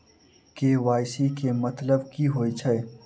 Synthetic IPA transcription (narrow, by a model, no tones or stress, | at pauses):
keːwaːjsikemɐt̪ləbkiɦoːit͡ʃʰɐe